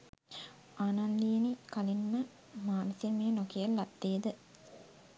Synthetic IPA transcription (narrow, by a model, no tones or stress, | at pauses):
aːnand̪iːnikalinːə | maːnisjemeːnokiəlːat̪ːeːd̪ə